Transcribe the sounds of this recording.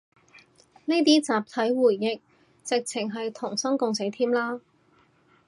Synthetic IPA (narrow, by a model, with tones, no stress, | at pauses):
ne˥jt̪iː˥t͡saː˨p̚t̪ʰɐ˨˥jwuː˨˩jːɪ˨k̚ | t͡sɪ˨k̚t͡sʰɪ˨˩ŋɦɐ˨jt̪ʰʊ˨˩ŋsɐ˥ŋkʊ˨˧ŋse˨˥jt̪ʰiː˥mlaː˥